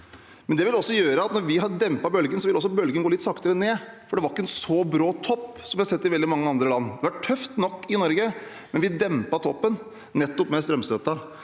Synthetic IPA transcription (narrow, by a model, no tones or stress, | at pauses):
mɛnd̪ɛʋɪlɔsːɔjøːɾəɑt̪nɔɾʋɪɦɑd̪ɛmpɑbœlɡənsɔʋɪlɔsːɔbœlɡənɡoːlɪt̪sɑkt̪əɾəneːfɔɖɛʋɑɾɪkːəɛnsɔbɾɑːt̪ʰɔpːsɔmʋɪhɑsɛt̪ːɪʋɛld̪ɪmɑŋːəɑnd̪ɾəlɑnːd̪ɛʋɑʈʈʰœft̪nɔkːɪnɔɾɡə | mɛnʋɪd̪ɛmpɑt̪ʰɔpːənː | ɛt̪ːɔpmɛst̪ɾœmsœt̪ːɑ